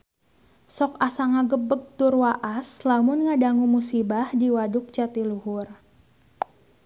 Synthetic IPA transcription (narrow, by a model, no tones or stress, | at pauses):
sɔkasaŋaɡəbəɡ̚t̪ʊrwaʔaslamʊnŋadaŋumusibahdiwadʊk̚t͡ʃat̪iluhʊr